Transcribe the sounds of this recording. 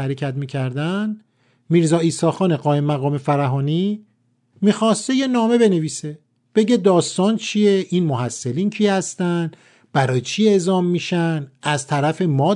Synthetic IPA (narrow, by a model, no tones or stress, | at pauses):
æɾecʰæt̪miːcʰæɾd̪æn | miːɾzɒːiːsɒːxɒːneɣɒːjemːæɣɒːme̞fæɾæɦɒːni | miːxɒːst̪e̞je̞nɒːme̞be̞ne̞viːse̞ | b̥e̞ɟe̞d̪ɒːst̪ɒːnt͡ʃʰie̞ʔinmohæsːelincʰihæst̪æn | b̥æɾɒːjet͡ʃʰie̞ʔzɒːmːiːʃænʔæzt̪ʰæɾæfe̞mɒː